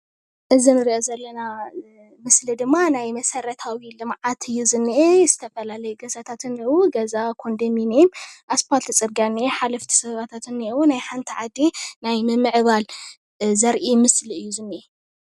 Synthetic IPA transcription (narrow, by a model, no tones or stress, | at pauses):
ʔɨzinɨɾiʔozɐlːɐna | mɨslid̪ɨmːanajmɐsɐɾɐt̪ʰawilɨmʕat̪ɨjːuzɨnːiʔez̥ɨt̪ʰɐfɐlalɐjuɡɐzat̪ʰat̪ʰɨniwuɡɐzakʰo̞nd̪ɐminimʔaspʰalt̪ʰɨt͡sʼɨɾɡaniħalɐft̪ʰi̥sɐβat̪ʰat̪ʰɨnːiwunajħant̪ʰiʕad̪inajmɨmɨʕβal | zɐɾʔimɨsliɨjːuzɨnːiʔe